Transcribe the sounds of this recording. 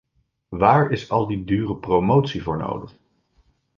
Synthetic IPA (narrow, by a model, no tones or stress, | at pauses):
ʋaːɹɪsɑlˠdidyːrəprowmowtsivʊːɹno̰wdəχ